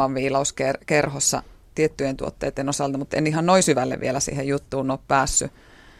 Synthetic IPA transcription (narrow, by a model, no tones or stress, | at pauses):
ɑʋʋiːlɑuskerkerhosːɑ̰ | t̪iet̪ːyjent̪ṵot̪ːḛit̪ːenosɑlt̪ɑmut̪ḛnihɑnnoisyʋælːḛʋʋḭelæsḭːhejjut̪ːuːnoːppæːsːy